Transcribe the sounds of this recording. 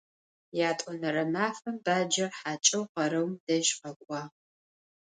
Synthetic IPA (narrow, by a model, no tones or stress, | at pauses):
jaːtʼɔnɐrɐmaːfɐmbaːd͡ʒɐrħaːt͡ʃʼɐwqɐɾɐwmd̥ɐʒqɐkʷʼɑː